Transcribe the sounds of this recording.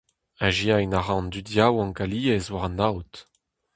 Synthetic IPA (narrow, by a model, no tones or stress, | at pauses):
aʒiajnaʁɑ̃nd̪ydjawɑ̃kaliːɛzwaʁɑ̃nawt